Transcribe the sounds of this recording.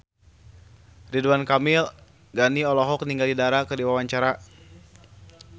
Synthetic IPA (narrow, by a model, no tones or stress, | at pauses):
riduankamil | ɡaniɔlɔɦɔk̚niŋɡaldidaɾakərdiwawaɲt͡ʃaɾa